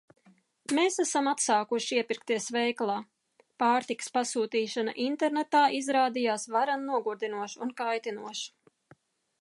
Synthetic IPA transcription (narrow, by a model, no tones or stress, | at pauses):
meːsæsamat̪saːkuʃiiɛpiɾkt̪iɛsvɛjklˠaː | paːɾt̪ikə̥spasuːt̪iːʃana̰ʔint̪eɾnet̪aːʔizɾaːd̪ijaːsvaɾanːuɔɡuɾd̪inuɔʃunkajt̪inuɔʃ